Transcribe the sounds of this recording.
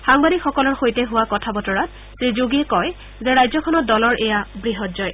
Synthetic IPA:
xaŋbadikxɔkɔlɔɹxojtɛɦʊwakɔtʰabɔtɔɹat̚ | sɹizoɡɛkɔj | zɛɹajzɔkʰɔnɔt̚dɔlɔɹʔɛjabɹiɦɔtzɔj

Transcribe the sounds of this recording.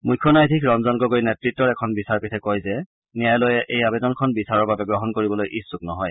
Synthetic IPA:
mujkʰːɔnajdʱikʰɹɔnzɔŋɡɔɡojnɛtɹitːɔɹɛkʰɔnbisaɹpitʰɛkɔjzɛ | nijajlojɛʔejabɛdɔnkʰɔnbisaɹɔɹbabɛɡɹɔɦɔnkoɹibɔlojʔisːuk̚nɔɦɔj

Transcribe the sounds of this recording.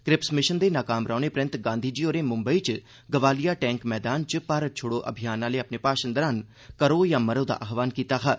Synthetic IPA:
kɾɪpsmɪʃənd̪eːnaːkaːmɾaːneːpɾə̃nt̪ɡãːnd̪ʱiːd͡ʒiːoːɾeːmʊ̃mbəiːt͡ʃ | ɡəʋaːlijaːʈɛ̃ːŋkmɛːd̪aːnt͡ʃpaɾət͡ʃʰʊɽoːʔə̰bʱijaːnãːleːapneːpaːʃənd̪əɾaːn | kəɾoːjãːməɾoːd̪a̰ːʔaːxʋaːnkiːt̪aːkʰaː

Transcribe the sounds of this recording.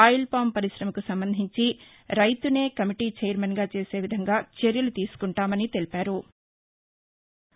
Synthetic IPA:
aːjilpaːmpɐɾiʃɾɐmɐkusɐmbɐnd̪ʱiɲt͡ʃi | ɾɐjt̪une̞ːkɐmiʈiːt͡ʃejɐɾmɐnɡaːt͡ʃe̞ːse̞ːʋid̪ʱɐŋɡaːt͡ʃe̞ɾjɐlut̪iːsu̥kuɳʈaːmɐnit̪e̞lipaːɾu

